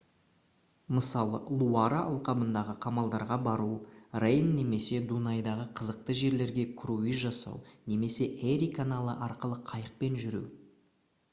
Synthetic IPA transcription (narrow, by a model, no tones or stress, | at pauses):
məsɑlˠə̰lˠuaɾaʔɑlˠqɑbənd̪ɑʁəqʰɑmɑlˠd̪ɑɾʁɑbɑɾurejnːe̞me̞se̞d̪unɑjd̪ɑʁəqʰəzəq̚t̪əʒe̞ɾle̞ɾɡʲe̞kʰɾuiʒɑsɑ̰wne̞me̞se̞ʔeɾikʰanalˠəʔɑɾqəlˠəqʰɑjəq̚pe̞nʒʏɾṵw